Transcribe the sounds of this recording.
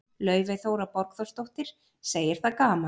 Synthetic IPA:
lœːɥvɪθoːwɾapɔɾkθowst̪owht̪ɪɾ̥ | seːjɪɾ̥θaðkaːma

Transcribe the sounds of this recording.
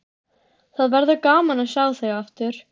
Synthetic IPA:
θaðvɛɾðʏkaːmanasaːwθeɣaaft̪ʏɾ̥

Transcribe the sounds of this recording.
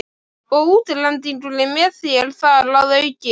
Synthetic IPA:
ɔɣuːt̪ɪɾlɛnt̪̬iŋʈulɪmɛθɪɛlθaɾlawðœɥcɪ

